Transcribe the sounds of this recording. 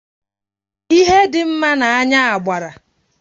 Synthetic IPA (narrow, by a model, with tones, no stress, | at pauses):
i˦ɦe˦dɪ˨m̩˦ma˦na˨a˦ɲa˦a˨ɡ͡ba˨ɾa˨